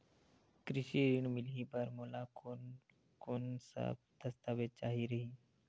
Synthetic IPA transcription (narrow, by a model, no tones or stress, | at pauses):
kɾɪʃiɾɪɳmɪlipəɾmoːlak | konsə̰b̚d̪̥əst̪aːʋɪt̪̚t͡ʃaːɦiɾəɦiː